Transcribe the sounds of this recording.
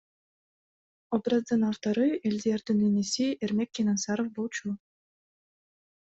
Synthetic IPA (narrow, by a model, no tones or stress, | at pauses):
obrazd̪ɯnaft̪ɑɾɯelʲzijaɾd̪ɯnenesieɾmekʲːenansɑɾofbolˠt͡ʃu